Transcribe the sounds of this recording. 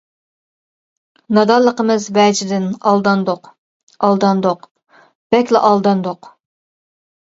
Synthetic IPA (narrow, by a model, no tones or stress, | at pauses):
nɑd̪ɑlˠːəqəmɨzvɛd͡ʒɪd̪ɪnɑlˠd̪ɑnd̪oq | ɑlˠd̪ɑnd̪oq | b̥ɛkʲlɛʔɑlˠd̪ɑnd̪oq